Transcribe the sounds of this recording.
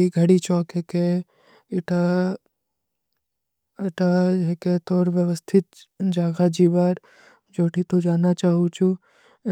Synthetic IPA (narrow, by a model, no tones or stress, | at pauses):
iɡʱəɽit͡ʃɔːkeke | ɪʈa | ɐʈaeket̪oːɾʋjəʋəst̪ʰɪt̪̚d͡ʒaːɡad͡ʒiʋaːɾ | d͡ʒoːʈʰit̪od͡ʒaːnat͡ʃaːɦut͡ʃʰũ